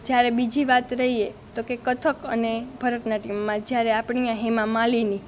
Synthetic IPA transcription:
d͡ʒjaɾebid͡ʒiʋat̪ɾəɦiet̪okekət̪ʰəkənebʱəɾət̪naʈimːãd͡ʒjaɾeapɳ̃ijãɦemãmalini

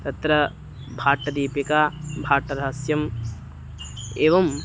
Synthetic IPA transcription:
t̪ɐt̪ɾɐ | bʱaːʈːɐd̪iːpjɐkaːbʱaːʈɐɾɐɦɐsjɐm | eːʋɐm

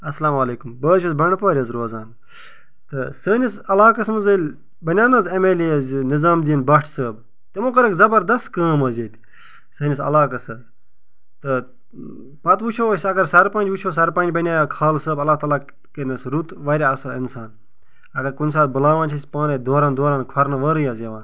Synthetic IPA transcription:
ɐsɐlaːmɐleːkumbəːt͡ʃʰɐzbɐɳpaːɾʲɐzɾoːzaːn | t̪ɨsəːnʲisɐlaːkɐsmɨzɐlʲ | bɐnʲaːnɐzɐmeliɐznizaːmd̪ijɐnbɐʈʰsəːb | t̪emokɐɾɐkzɐbɐɾd̪ɐst̪kaːmɐzeːt̪ʰʲi̥ | səːnʲisɐ̰laːkɐsɐz | t̪ɨ | pɐt̪ʋut͡ʃʰoːsʲɐɡɐɾsɐɾpɐnʲd͡ʒʋut͡ʃʰoːs̬ɐɾpɐ̃nd͡ʒbɐnʲaːjakʰaːlsəːbɐlːaːt̪aːlaː | kenɐsɾut̪ʋɐːɾʲeɐsɐlinsaːn | ɐɡɐɾkunʲs̬aːt̪̚bɨlaːʋaːnt͡ʃʰɐsʲpãːnɐd̪oːɾãːnd̪oːɾaːnkʰɐɾnɐʋɐːɾɨjaːzʲeʋaːn

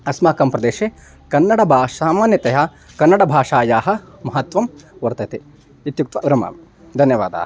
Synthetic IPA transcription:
ɐsmaːkɐmpɾɐd̪eːʃeː | kɐnːɐɽɐbʱaːʂaːmaːnjɐt̪eɦɐ | kɐnːɐɽɐbʱaːʂaːjaːɦɐ̆ | mɐɦɐt̪ʋɐmʋɐɾt̪ɐt̪e | it̪juk̚t̪ʋɐʋɾɐma̰ːm | d̪ʱɐnjɐʋa̰ːd̪a̰ːhɐ

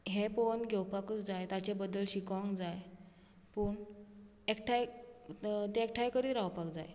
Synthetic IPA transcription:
ɦepoənɡʱewpakət͡sd͡zajt̪at͡ɕebəd̪ːəlɕikə̃ŋkd͡zaj | pəːɳ | ekʈʰaj | t̪eek̚ʈʰajkəɾiːɾawpakd͡za̰j

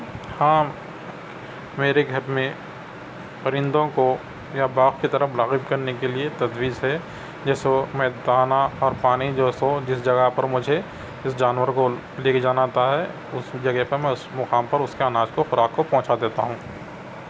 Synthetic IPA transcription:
hãː | meːɾeɡʱɐɾmẽ | pɐɾɪ̃nd̪õko | jabaːɣkit̪ɐɾəmʊlaːɣɪbkɐɾnekeliet̪ɐd̪wiːzɦɛ | d͡ʒɛːsemɛːd̪aːnaɔːɾpaːnid͡ʒoːsod͡ʒɪsd͡ʒɐɡəɦpɐɾmʊd͡ʒʱe | ɪsd͡ʒaːnwəɾko | leːked͡ʒaːnaːt̪aɦɛ | ʊsd͡ʒɐɡəɦpɐɾmɛ̃ʊsmɐkaːmpɐɾʊskeanaːd͡ʒkoxʊɾaːkkopɔ̃ːt͡ʃad̪eːt̪a̰ɦũː

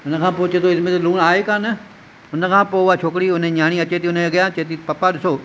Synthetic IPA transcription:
ʊnəkʰãːpoːt͡ʃeːt̪oːɪsmẽːt̪eluːnaːeːkãːnə | ʊnəkʰãːpoːʊaːt͡ʃʰoːkɽiːʊnẽɲaːñiːɐt͡ʃeːt̪ʰiːʊnẽɡəjãːt͡ʃeːt̪iːpɐpaːɗɪsoː

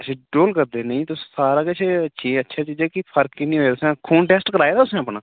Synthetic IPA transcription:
əsẽːɖoːlkəɾd̪eːnəĩːt̪ʊssaːɾaːkeseəːʃʰiːətːʃʰaːt͡ʃiːd͡ʒɛːkɪpʰəɾkkinĩːɦoeːt̪ʊsɛ̃ːkʰuːnʈɛːsʈkəɾaːeːd̪aːʊsẽapnãː

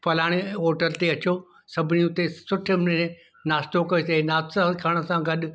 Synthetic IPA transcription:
pɐlaːɽ̃ɔːɾʈəɾt̪eɐt͡ɕo | sɐbʱɪnijũt̪esʊʈʰɪmne | naːst̪okɐisenaːakʰaːɽ̃əsãɡɐɗʊ̆

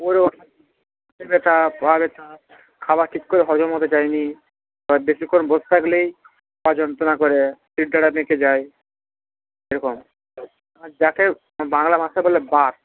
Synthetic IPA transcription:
poɾeɔʈa | at̪ebet̪ʰapabet̪ʰa | kʰabaʈʰikːoɾeɦɔd͡ʑomɦot̪et͡ɕajni | ɔbeʃikonbost̪ʰaklej | pad͡ʑɔnt̪onakɔɾesiʈ̚daɽapnẽked͡ʑaj | ejɾɔkom | d͡ʑake | baŋlamasabolːebaɾ

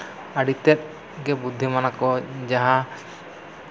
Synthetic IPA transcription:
aɖit̪ɛt̪̚ˀ | ɡɛbud̪ʱːimanakɔd͡ʒaɦã

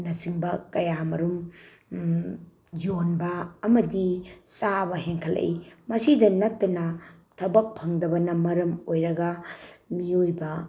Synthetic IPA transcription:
nɐsiŋbɐkɐjamɐɾum | d͡ʒonbɐːmɐdisabɐɦeŋkʰɐlḛjmɐsidɐnɐtːɐnɐ | tʰɐbɐk̚pʰɐŋdɐbɐnɐmɐɾɐmojɾɐɡɐmiojbɐ

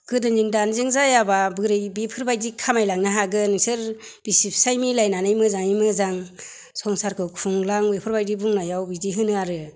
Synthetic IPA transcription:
kʰɯdɯŋziŋdanzɯŋzajababɯɾɯjbipʰɯɾbajdikʰamajlaŋnaɦaɡɯnɯsɯɾb̥isip̚ʰsajmilajnanɯjmɯzaŋimɯzaŋ | sɔŋsaɾkʰɯkʰuŋlaŋwepʰɯɾbajdibuŋnajawbidiɦɯnɯaɾɯ

